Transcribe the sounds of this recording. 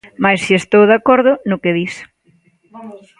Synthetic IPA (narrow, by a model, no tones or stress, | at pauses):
majssiest̪owðakɔɾðʊnʊkɪðis